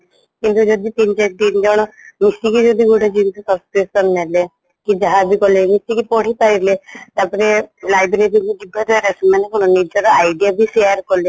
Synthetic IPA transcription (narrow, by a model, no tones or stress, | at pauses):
kint̪ud͡ʒɔd̪it̪int͡ʃak̚d̪ind͡ʒɔɽ̃ɔmisikid͡ʒɔd̪iɡuʈed͡ʒint̪usɔskɾesɔnnale | kid͡ʒaɦabʱikɔlemisikipɔɽ̤ipaɾilet̪apɔɾelajbɾeɾiŋuɡib̪ʱat̪aɾasimanekɔnɔnid͡ʒɔɾɔajɖijabʱiseaɾkɔle